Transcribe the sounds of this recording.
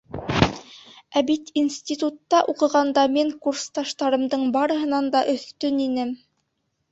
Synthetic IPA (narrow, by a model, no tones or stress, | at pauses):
æbit̪insʲt̪ʲit̪ut̪ːɑʔuqɤ̆ʁɑnd̪ɑmiŋkurst̪ɑʃt̪ɑɾɤ̆md̪ɤɴbɑɾɤ̆ɦɤ̆nɑnd̪ɑʔɵ̆θt̪ɵninɘm